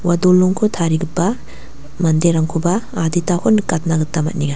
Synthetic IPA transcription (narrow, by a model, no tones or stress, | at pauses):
wadolːɔŋkʰɔtʰaɾiɡɯpːa | mandeɾaŋkʰubaːditahʰɔnkat̚naɡɯtːamɐ̰t̚niɡa